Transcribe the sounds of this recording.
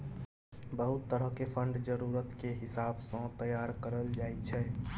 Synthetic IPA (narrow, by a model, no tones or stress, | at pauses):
bəɦut̪ːəɾəɦkepʰəɳɖd͡ʒəɾuɾət̪keɦisabsə̃t̪əjaɾkəɾəld͡ʒaet͡ʃʰɛ